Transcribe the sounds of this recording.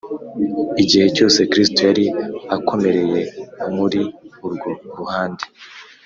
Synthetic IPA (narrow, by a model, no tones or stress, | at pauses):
iɟihe̞co̞ːse̞kɾistojaɾiakʰo̞me̞ɾe̞je̞muɾiuɾɡo̞ɾuhaːnde